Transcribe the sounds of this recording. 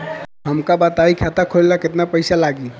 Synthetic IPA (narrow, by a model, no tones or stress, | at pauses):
ɦəmkabət̪aikʰat̪akʰollaket̪napəɪsalaɡi